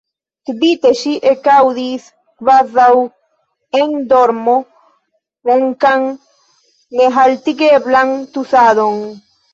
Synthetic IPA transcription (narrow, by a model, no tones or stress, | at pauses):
t̪bit̪eʃiʔekawðis | kβaðaw | eŋd̪oɾmo | oŋkaŋ | ŋeɦalt̪iɡeβlaŋt̪usaðoŋ